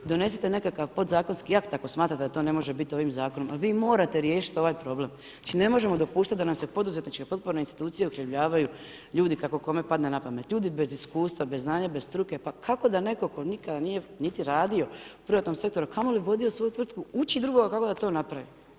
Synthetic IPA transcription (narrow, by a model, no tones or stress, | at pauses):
d̪o̞ne̞s̬it̪ene̞kakaʋpo̞d̪zaːko̞nskiakt̪ako̞smaːt̪ɾat̪ed̪at̪one̞mo̞ʒebit̪io̞ʋimzaːko̞no̞maʋiːmo̞ːɾat̪e̞ɾje̞ːʃi̥t̪o̞ʋaːjpɾo̞ble̞m | at͡ʃine̞mo̞ʒe̞mo̞d̪o̞puːʃt̪at̪d̪anamsepo̞d̪uzet̪nit͡ʃke̞po̞t̪̚poɾne̞inst̪i̥t̪uːt̪sijeukleʋʎaːʋaju | ʎuːd̪ikako̞ko̞me̞pad̪nenapame̞t̪lʎuːd̪ibe̞ziskuːst̪ʋabeznaːɲabezst̪ɾuke̞pakʰako̞d̪ane̞ko̞ko̞nikad̪aniːje̞nit̪iɾaːd̪io̞upɾiʋat̪no̞mse̞k̚t̪o̞ɾukʰamoliʋo̞d̪io̞sʋo̞jut̪ʋr̩t̪̚kuut͡ʃid̪ɾuɡo̞ɡakako̞d̪at̪o̞ːnapɾaʋi